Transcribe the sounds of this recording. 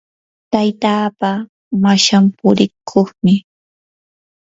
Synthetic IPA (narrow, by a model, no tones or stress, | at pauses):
t̪ajt̪aːpa | maʃampʊɾɪkʰoχmɪ